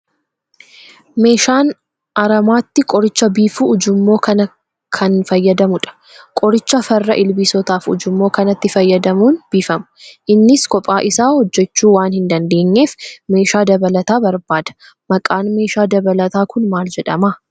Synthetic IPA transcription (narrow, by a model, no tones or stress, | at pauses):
me̞ːʃaːn | ʔɐɾɐmaːt̪ːɪkʼɔɾɪt͡ʃːɐbiːfuʊd͡ʒʊmːo̞ːkɐnɐ | kʰɐnfɐjːɐd̪ɐmʊᶑɐ̥ | kʼɔɾɪt͡ʃːɐfɐrːɐ̰ʔɪlbisɔt̪aːfʊ̰d͡ʒʊmːo̞ːkɐnɐt̪ːɪfɐjːɐd̪ɐmuːnb̥iːfɐmʊ̥ʔɪnːɪskɔpʼaːʔɪsaːhɔd͡ʒːɛt͡ʃːuːwaːnhɪnd̪ɐnd̪e̞ːɲːe̞ːfme̞ːʃaːd̪ɐbɐlɐt̪aːbɐɾbaːd̪̥ɐ̥ | mɐkʼaːnme̞ːʃaːd̪ɐbɐlɐt̪aːkʊnmaːld͡ʒɛᶑɐmaː